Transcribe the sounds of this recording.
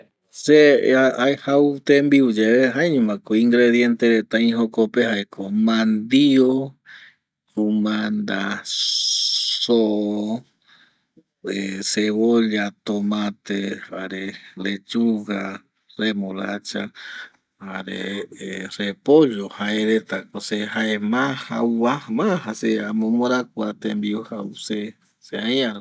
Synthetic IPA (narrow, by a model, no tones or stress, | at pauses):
seaaehaut̪embiud͡ʒeeɦaeɲũmãkoiŋɡɾeðjent̪eɾet̪aĩɦokopehaekʰomãnd̪io | ɾumãnd̪a | soʔo | eseβoʎat̪omãt̪ehaɾelet͡ʃuha | ɾemolat͡ʃa | haɾḛerepoʒohaeɾet̪akosehaemahauamahaseamõmoɾakʷuat̪embiohause | seaj̃a